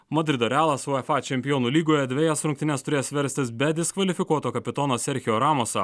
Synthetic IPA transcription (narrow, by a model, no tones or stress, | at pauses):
mɐd̪ʲɾʲɪd̪oːɾʲæːlˠɐsoɛfɑˑt͡ʃʲɛmʲpʲɪjɔːnuːlʲiːɡoːjɛd̪ʲʋʲɛjɛsɾʊŋkt̪ʲɪnʲɛst̪ʊɾʲeːsʋʲɛɾʲsʲt̪ʲɪsbʲɛd̪ʲɪskʋɐlʲɪfʲɪkuɔt̪oːkɐpʲɪt̪ɔnoːsʲɛɾʲxʲɪjoːɾɑːmoːsʲɐ